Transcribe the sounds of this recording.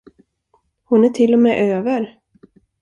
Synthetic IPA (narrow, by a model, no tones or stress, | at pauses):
hʊnæʈʰɪlːɔmɛːʔøːvəɾ